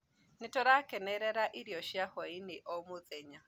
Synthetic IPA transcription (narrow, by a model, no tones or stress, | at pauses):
nɪtɔɾakɛnɛɾɛɾaʔiɾiɔʃiahɔinɪʔɔmʊðɛɲa